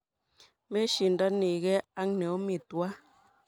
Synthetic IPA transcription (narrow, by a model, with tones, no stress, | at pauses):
me˦ʃi˨n̩˨da˦ne˨ɣɛ˦a˦ŋnɛ˨o˦mi˨twa˦